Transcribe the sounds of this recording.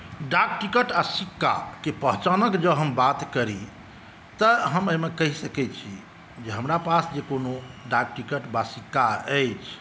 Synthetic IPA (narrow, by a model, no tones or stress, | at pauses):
ɖak̚ʈikəʈasikːa̰kepəɦt͡ʃanəkd͡ʒəɦəmbat̪kəɾi | t̪əɦəməɦmekəɦisəkɛt͡ʃʰi | d͡ʒeɦəmɾapasd͡ʒekonoɖak̚ʈikəʈbasikːaəjt͡ʃʰ